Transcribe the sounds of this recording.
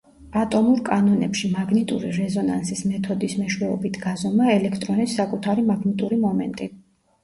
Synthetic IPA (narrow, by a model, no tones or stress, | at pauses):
at̪ʼɔmuɾkʼanɔnɛ̰pʃimaɡnit̪ʼṵɾiɾɛzɔna̰nsismɛt̪ʰɔd̪ismɛʃwɛɔbit̪ʰɡazɔmaɛlɛkʰt̪ʼɾɔnisːakʼut̪ʰaɾimaɡnit̪ʼuɾimɔmɛ̰nt̪ʼi